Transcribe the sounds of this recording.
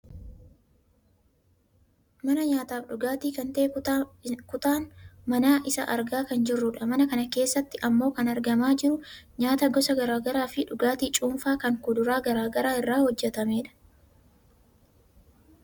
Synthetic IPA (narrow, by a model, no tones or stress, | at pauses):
mɐnɐɲaːt̪aːfᶑʊɡaːt̪iːkɐnt̪ɐʔɛ | kʊt̪aːnmɐnaːʔɪsɐ̰ʔɐɾɡaːkɐnd͡ʒɪrːʊᶑɐmɐnɐkɐnɐke̞ːsːɐt̪ːɪʔɐmːo̞ːkɐnɐɾɡɐmaːd͡ʒɪɾʊɲaːt̪ɐɡɔsɐɡɐɾaːɡɐɾaːfɪᶑʊɡaːt̪iːt͡ʃʼuːnfaːkɐŋkʊd̪ʊɾaːɡɐɾaːɡɐɾaːɪrːaːhɔd͡ʒːɛt̪ɐmeːᶑɐ̥